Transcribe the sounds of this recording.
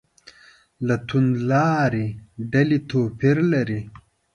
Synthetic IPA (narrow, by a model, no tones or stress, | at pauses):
lat̪ʰunlɑːɾiɖɐlit̪ʰoːpiɾlɐɾi